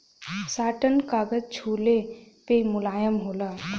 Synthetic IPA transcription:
saːʈənkaːɡəd͡ʒt͡ʃʰuːle | pemʊlaːjəmɦoːla

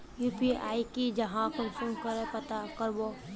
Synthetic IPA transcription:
juːpia̰ːikid͡ʒɐɦãkʊmsʊnkəɾepət̪akəɾbo

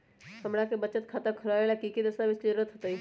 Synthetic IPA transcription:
kɐmɽakebət͡ʃət̪kʰaːt̪akʰʊɾaːʋelakiːkid̪əsaʋɪsʈiɾət̪ɦot̪aiː

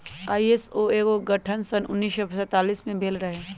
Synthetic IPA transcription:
aːiesoeːɡoɡɐʈʰənsɐnʊ̰nːiːʃjopsɛ̃ːt̪aːliːsmẽbʱeːlɾɐɦeː

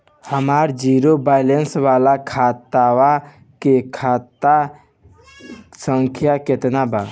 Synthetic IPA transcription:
həmaːɾd͡ʒiːɾobaːɪlensʋaːlakʰaːt̪awa | kekʰaːt̪a | sə̃ŋkʰjakɪt̪nabaː

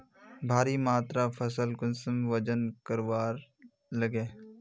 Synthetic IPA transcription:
bʱaːɾimaːt̪ɾapʰɐs̬əlkʊnsəmʋəd͡ʒənkəɾʋaːɾ | ləɡeː

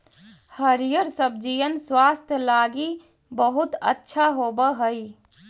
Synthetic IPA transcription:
həɾijəɾsəbd͡ʒijənswast̪ʰjəlaɡi | bəɦut̪ə̰tːʃʰaɦobəɦəj

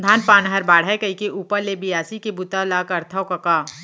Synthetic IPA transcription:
d̪ʱaːnpaːnɦɐɾbaːɽ̤aɛekɐikeʔuːpəɾlebijaːsikebʊt̪alaːkɐɾt̪ʰəokɐka

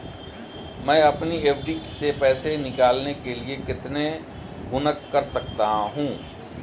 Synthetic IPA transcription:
mɛ̃ːɐpnieːʋɖisepɛːsenɪkaːlnekeliekɪt̪ne | ɡʊnəkːɐɾsɐk̚t̪aɦũː

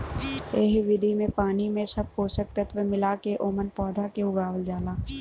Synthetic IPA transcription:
eɦʋɪd̪ʱimẽpaːnimẽsɐb̚poːsək̚t̪ət̪ʰʋemɪlaːkeʔoːmənpɔːd̪ʱakeʊɡaːʋəld͡ʒaːlaː

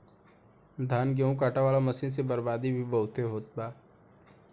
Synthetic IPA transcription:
d̪ʱaːnɡeũkaːʈaʋaːlamɐsins̬ebəɾbaːd̪ibʱibəɦʊt̪eɦoːt̪̚baː

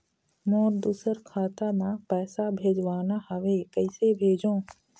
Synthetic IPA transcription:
mõːɾd̪uːsəɾkʰaːt̪amãːpɛːsabʱeːd͡ʒʋaːnahəʋekəɪsebʱeːd͡ʒõː

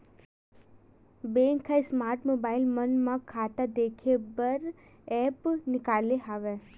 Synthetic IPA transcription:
bẽːŋkʰːaismaːɾʈmoːbaːɪlmənmãkʰaːt̪ad̪eːkʰebəɾ | ɛːpnɪkaːleɦaːʋe

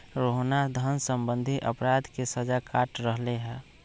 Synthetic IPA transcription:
ɾoɦnad̪ʱənsəmbə̃nd̪ʱiʔəpɾad̪ʱkesəd͡ʒakaʈɾəɦleɦɛ̃ː

